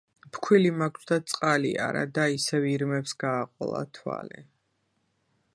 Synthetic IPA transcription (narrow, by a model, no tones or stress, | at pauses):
pkʰwilimakʰsd̪at̪sʼqʼaliaɾad̪aisɛviɾmɛpsɡaːqʼɔlˠa̰t̪ʰwa̰lɛ